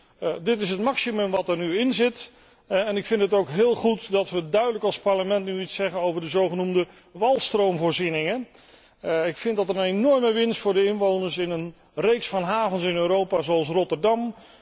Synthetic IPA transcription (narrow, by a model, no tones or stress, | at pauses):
dɪtɪs̬ətmɑksimɵmʋɑtəɹnyɪnzɪt | ɛnɪkfɪntətowkɦɪːlˠχutdɑtʋədœɥdələkɑlˠspaɹləmɛntnyitsɛχənowvəɹdəzowχənumdə | ʋɑlˠstrowmvʊːɹzinɪŋə | ɪkfɪndɑtərənenɔɹməʋɪnstfʊːɹdəɪnʋownəɹsɪnən | rejksfɑnɦaːvənsɪnøːɾowpazoɑlˠs̬rɔtərdɑm